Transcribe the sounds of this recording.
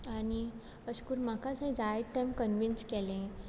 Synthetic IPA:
añi | əɕkuɾmakasẽd͡zajt̪ːẽmkənʋinskɛlẽ

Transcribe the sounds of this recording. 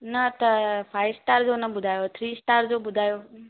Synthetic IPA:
nət̪əfʰaːɪsʈaːɾd͡ʒoːnəɓʊd̪ʱaːjoːt̪ʰɾiːsʈaːɾd͡ʒoːɓʊd̪ʱaːjoː

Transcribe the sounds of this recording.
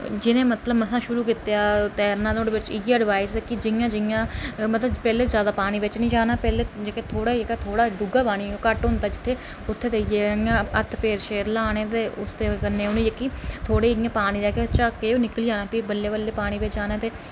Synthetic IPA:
d͡ʒɪnẽːmət̪ləbməsãːʃʊɾuːkɪt̪eaːt̪ɛːɾnãːd̪õɖeːbɪt͡ʃieːəɖʋaːɪsekɪd͡ʒɪjãːd͡ʒɪjãːmət̪ləbpɛːleːzjaːd̪aːpaːɽ̃iːbɪt͡ʃnĩːd͡ʒaːnaːpɛːleːd͡ʒekeːt̪ʰoːɽaːekat̪ʰoːɽaːɖʊɡaːpaːɽ̃iːokəʈɦʊ̃nd̪aːd͡ʒɪt̪ʰːeː | ʊt̪ʰːeːd̪eːieːãːət̪ʰpeːɾʃeːɾlaːɽ̃ẽːt̪eːʊ̰st̪eːkənːeːʊnẽːd͡ʒekit̪ʰoːɽeːɪjãːpaːñiːd̪ɛːket͡ʃaːkeːonɪkəliːd͡ʒaːnaːpiːbəlːeːbəlːeːpaːɽ̃iːbɪt͡ʃd͡ʒaːnaːt̪eː

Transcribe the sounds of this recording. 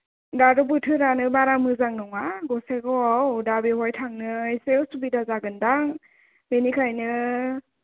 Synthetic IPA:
daɾubɯtʰɯɾanɯbaɾamɯzaŋnɔŋaɡɔseɡɔawwdabiɦɔjtʰaŋnɯajsewsubidazaɡɯndaŋ | menikʰajnɯ

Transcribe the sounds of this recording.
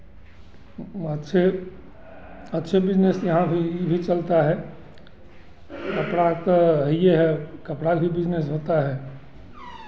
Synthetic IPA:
ətːʃʰe | ətːʃʰebɪd͡ʒnesjɐɦãbʱibʱit͡ʃəlt̪aɦɛ | kəpɽat̪oɦijeɦɛkəpɽabʱibɪd͡ʒnesɦoːt̪aɦɛː

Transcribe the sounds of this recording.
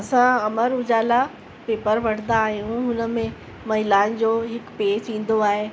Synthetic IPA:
ɐsãɐməɾʊd͡ʑaːla | peːpəɾʋɐɽ̤̃nd̪aːɦijũɦʊnə̆mẽ | mɐɦɪlaːɪnd͡ʑoːɦɪkpeːd͡ʑĩːn̆d̪oaːɦe

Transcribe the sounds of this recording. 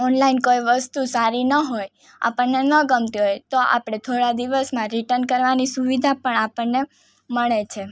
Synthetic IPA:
ɔnlainkoiʋəst̪usaɾinəɦoj | a̰pəɳnenəɡəmt̪iɦojt̪oʔa̰pɽ̃et̪ʰoɽad̪iʋəsmãɾiʈənkəɾʋanisuʋid̪ʱapəɳapəɳnːe | məɭet͡ʃʰe

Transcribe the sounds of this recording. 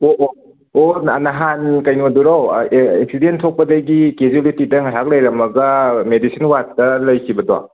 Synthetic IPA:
oʔo | onanaɦankɐjnoduɾaweek̚sidentʰok̚pɐdɐɡikezolitidɐŋajɦak̚lɐjɾɐmɐɡɐmedisinwattɐlɐjkʰibɐdoa̰

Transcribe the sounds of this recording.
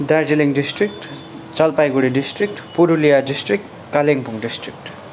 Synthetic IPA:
daɾd͡ʒiliŋdistɾik̚t | t͡ʃalpajɡuɾidistɾik̚tpuɾulijadistɾik̚t | kaleŋpuŋdistɾik̚t

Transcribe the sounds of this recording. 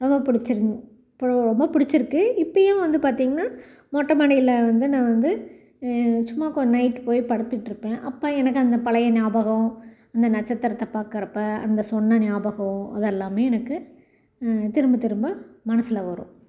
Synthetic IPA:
ɾɔmbɐpʊɽɪt͡ʃːɪɾ | pɾɔmbɐpʊɽɪt͡ʃːɪɾɯkːɯɪpːɐjɐ̃ːʋɐnd̪ɯpaːɾt̪iːŋɡɐnaː | moːʈːɐmɐːnɪɪlɐʋɐnd̪ɯnãːʋɐnd̪ɯ | t͡ʃʊmːaːkɔnɐɪʈpoːjpɐɽɯt̪ːɯʈːɪɾɯpːẽːʔɐpːoːɛnɐkːɯɐnd̪ɐpɐlɐjɐnɪjaːbɐɣɐ̃ | ɐnd̪ɐnɐt͡ʃːɐt̪ːɐɾɐt̪ːɐpːaːkɐɾɐpːɐɐnd̪ɐsɔnːɐnɪjaːbɐɣɐ̃ɐðɛlːaːmeːɛnɐkːɯ | t̪ɪɾɯmbɯt̪ɪɾɯmbɐmɐnɐsɪlɐʋɐɾõ̰

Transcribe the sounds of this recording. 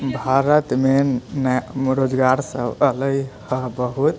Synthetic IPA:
bʱaɾət̪menɾod͡ʒɡaɾsəbələjhəbəɦut̪

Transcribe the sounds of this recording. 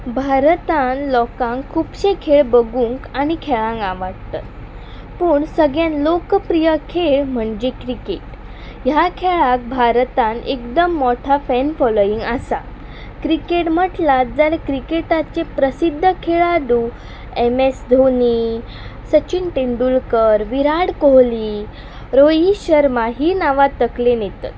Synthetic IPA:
bʱaɾt̪anlɔkãŋkʰuːpɕekʰeɭbəɡuŋkaɽ̃ikʰeɭãŋɡaʋaɽt̪a̰t̪̚ | pəːɳsəɡjãnlokəpɾijəkʰeɭm̤əɳd͡ʑekɾikeʈ | jakʰeɭak̚bʱaɾt̪ãnḛkd̪əmːɔʈʰafɛnfɔloiŋɡasa̰ | kɾikeʈm̤əʈlad͡zalekɾikeʈat͡sepɾəsid̪ʱːəkʰeɭad̪uː | emesd̪ʱoni | sət͡ɕinʈeɳɖulkəɾʋiɾaɽkoɦliː | ɾojiɕəɾmaɦiːnaʋat̪ːəklenet̪a̰t̪

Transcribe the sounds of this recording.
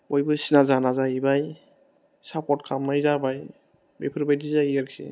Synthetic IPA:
bɔjbɯsinazanazaibaj | sap̚kɔtkʰamnajzabaj | bepʰɯɾbajdizaiaɾksḭ

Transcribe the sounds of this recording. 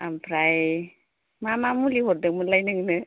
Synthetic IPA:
ampʰɾaj | mamamuliɦoɾ̚d̪ɯkmulajnɯŋnɯ

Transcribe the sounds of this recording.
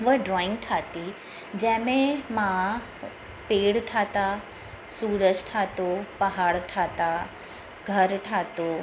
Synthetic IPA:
ʋəɖɾɔːɪ̃ŋɡʈʰaːt̪i | d͡ʑɐ̃ɦɪ̃mẽmã | peːɽʈʰaːt̪a | suːɾəd͡ʑʈʰaːt̪opɐɦaːɽʈʰaːt̪a | ɡʱɐɾʈʰaːt̪o

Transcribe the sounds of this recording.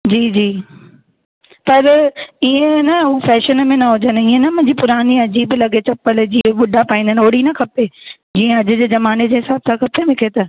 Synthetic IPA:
d͡ʑiːd͡ʑiː | pɐɾiːẽnɐufɛːʃənmẽnɐɦʊd͡ʑənɪ̆iːẽnɐmʊ̃ɦɪ̃ɲd͡ʑipʊɾaːniɐd͡ʑiːblɐɡet͡ɕʰɐpəld͡ʑiːẽɓʊɖʱapaːĩn̆d̪ənɪoːɽinɐkʰɐpe | d͡ʑiːẽɐd͡ʑʊ̆d͡ʑeːzɐmaːned͡ʑeːɦɪsaːbsãkʰɐpemɪkʰet̪ɐ

